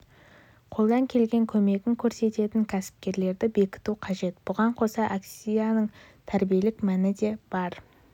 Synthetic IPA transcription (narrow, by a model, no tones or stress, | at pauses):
qʰo̞lˠd̪ɑŋkʲʰe̞lɡʲe̞ŋkʲʰɵme̞ɡʲɪŋkʲʰɵɾse̞t̪e̞t̪ɪŋkʲʰæsɪ̥p̚kʲe̞ɾle̞ɾd̪ɪbe̞kʲɪ̥t̪uqʰɑʒe̞t̪b̥ʊʁɑɴqʰo̞sɑʔaksʲijanəɴ | t̪ʰæɾbije̞lɪkmænɪd̪e̞b̥ɑɾ